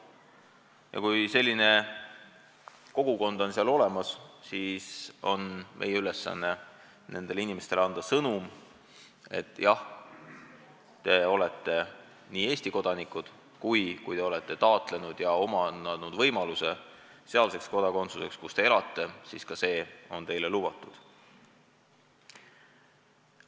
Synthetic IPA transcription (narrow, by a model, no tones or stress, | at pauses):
jɑ̰kujse̞lʲːine̞ | ko̞ɡ̥uko̞nd̪onseɑlo̞le̞mɑssiːso̞nmʔe̞̰jeyle̞sːɑ̰nːe̞ | ne̞̰nd̪e̞linime̞st̪e̞lɑnd̪ɑsɤnum | e̞̰t̪ːˑjɑh | t̪e̞o̞le̞t̪ːe̞ | niːe̞ːsʲt̪iko̞d̪̥ɑnikːˑud̪̥ | kujkujt̪e̞o̞le̞t̪ːe̞t̪ɑːt̪ˑle̞nud̪̥jɑo̞mɑnɑnud̪̥vɤ̞jmɑluse̞ | se̞ɑlse̞ksko̞d̪̥ɑko̞nt̪suse̞kskust̪e̞e̞lɑt̪ːe̞siskɑse̞ːo̞nt̪e̞jle̞lub̥ɑt̪ːˑud̪̥